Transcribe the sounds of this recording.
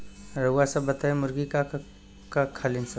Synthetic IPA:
ɾɐuasɐbət̪aemʊɾɡika | kakʰalinsɐ

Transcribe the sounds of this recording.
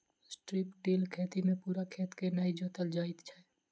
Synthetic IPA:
sʈɾiːpʈiːlkʰeːt̪imẽpuːɾakʰeːt̪kenəid͡ʒoːt̪əld͡ʒaːɪt̪t͡ʃʰɛ

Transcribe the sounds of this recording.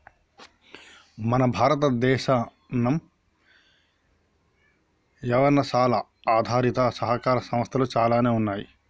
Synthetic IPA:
mɐnɐbʱaːɾɐt̪ɐd̪ɛːʃaː | nːɐm | jɐʋɐnːɐsaːlɐ | aːd̪ʱaːɾit̪ɐsɐɦɐkaːɾɐsɐm̃ɐst̪ʰɐluːt͡ʃaːlaːneːunːaːji

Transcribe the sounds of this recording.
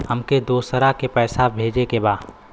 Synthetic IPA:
hɐmked̪oːsəɾakepɛːsabʱeːd͡ʒekebaːd

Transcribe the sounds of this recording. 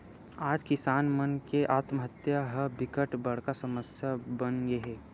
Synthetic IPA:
aːd͡ʒkɪsaːnmənkeʔaːt̪məɦət̪jaɦəbɪkəʈbɐɽ̤kasɐməsjabənɡeɦɛː

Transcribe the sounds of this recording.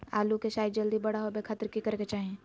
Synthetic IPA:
a̰ːlukeʃaːjd̪̚d͡ʒəld̪ibɐɽaɦobekʰaːt̪ɾkikɐɾket͡ʃaːɦẽ

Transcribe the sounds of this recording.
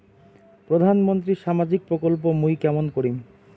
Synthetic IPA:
pɾod̪ʱanmont̪̬ɾiʃamad͡ʑik̚pɾokolp̬omujkɛmonkoɾim

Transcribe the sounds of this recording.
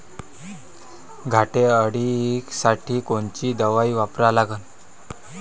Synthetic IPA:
ɡʱaʈeəɽieksaʈʰiːkoɳt͡ɕiːd̪əʋaiʋapɾalaɡən

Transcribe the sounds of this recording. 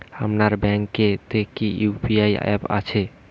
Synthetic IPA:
ha̰mnaɾbɛŋket̪ekiupiajɛ̰pa̰t͡ɕʰe

